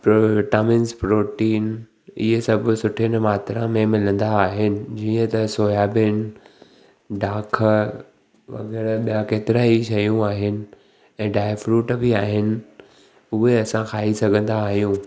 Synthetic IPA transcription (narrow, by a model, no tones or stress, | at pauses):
pɾoʈaːmɪnspɾoːʈiːn | iɦesɐbʱsʊʈʰɪnmaːt̪ɾãmẽmɪlə̃nd̪aːɦɪnɪ̆d͡ʑiːə̃t̪ɐsoːjaːbɪn | ɖaːkʰ | ʋɐ̰ɣɛːɾɓijãkeːt̪ɪɾaːiʃɐjũaːɦɪnɪ̆ | ɛ̃ːɖaːɪfɾuːʈbɪaːɦɪnɪ̆ | ʊɦeɐsãxʰaːisɐɡʱə̃nd̪aːɦijũː